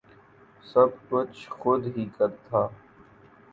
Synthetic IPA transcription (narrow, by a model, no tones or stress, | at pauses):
sɐb̚kʊt͡ʃʰxʊd̪ɦiːkɐɾt̪ʰaː